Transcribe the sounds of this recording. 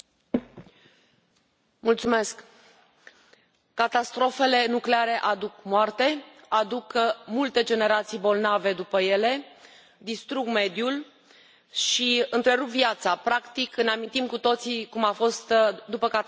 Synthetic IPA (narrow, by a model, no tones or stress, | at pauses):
mult̪sume̞sk | at̪ast̪ɾo̞fe̞le̞nukleaɾe̞ʔad̪ukmoart̪e̞ | ad̪ukmult̪e̞d͡ʒe̞ne̞ɾat̪sijbo̞lnave̞d̪upəje̞le̞ | d̪ist̪ɾuɡme̞d̪jul | ʃiɨnt̪ɾe̞ɾupviat̪sapɾakt̪ikɨnamint̪imkut̪o̞t̪sikumafo̞st̪d̪upəka